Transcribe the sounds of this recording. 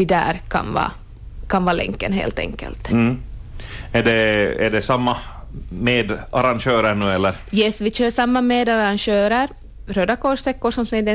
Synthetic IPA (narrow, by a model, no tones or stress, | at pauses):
vɪd̪æ̰ːɾkʰɑ̰nvɑ̰ː | kʰanvɑːlɛ̰ŋkːənɦḛːlt̪ɛ̰ŋkːə̰lt̪̩ː | æɖɛæ̰ɖɛsamːa | meːd̪aɾanɕøːɾəɳʉːɛlːəɾjɛsʋɪɕøːsamːameːd̪aɾanɕøːɾəɾ | ɾøːd̪akʰɔʂt̪ɛkːʊsɔmsɛd̪ɛ